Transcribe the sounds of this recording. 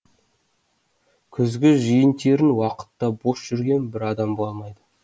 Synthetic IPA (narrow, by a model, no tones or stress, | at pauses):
kʲʰʏzɡʲɪʒijənt̪e̞ɾɪnwɑqə̥t̪ːɑbo̞sʒ̥ʏɾɡʲe̞nbɪɾɑd̪ɑmboɑmɑjd̪ə